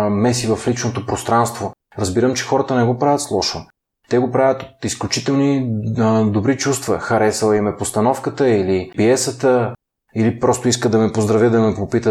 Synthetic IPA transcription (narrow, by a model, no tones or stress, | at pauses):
mɛsivɐflit͡ʃnot̪opɾost̪ɾanst̪vo | ɾɐzbiɾəmt͡ʃɛ̥xɔɾət̪ənɛɡopɾavʲɐt̪slˠɔʃo | t̪ɛɡopɾavʲət̪ot̪isklʲut͡ʃit̪ɛlˠni | d̪obɾit͡ʃust̪vɐ̰xɐɾɛsəlˠimɛpost̪ɐnɔfkət̪əilipiɛsət̪ə | ilipɾɔst̪oiskəd̪ɐmɛpozd̪ɾɐvʲjəd̪ɐmɛpopit̪ə